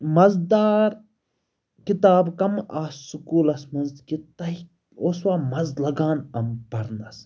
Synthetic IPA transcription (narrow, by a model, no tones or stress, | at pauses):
mɐzd̪aːɾ | kit̪aːbkɐmaːssukuːlɐsmɐnzkit̪ɐɦi | oːswaːmɐzlɐɡaːnɐmpɐɾnɐs